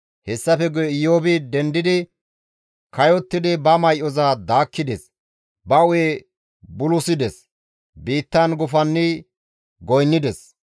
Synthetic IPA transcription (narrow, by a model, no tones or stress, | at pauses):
hɛsːɐfɛɡʊjɪjoːbɪd̪ɛnd̪ɪd̪ɪ | kɐjɔt̪ːɪd̪ɪbɐmɐjʔɔzad̪aːkːɪd̪ɛs | bɐʊwe | bʊlʊsɪd̪ɛs | biːt̪ːɐnɡʊfɐnːɪ | ɡɔjnːɪd̪ɛs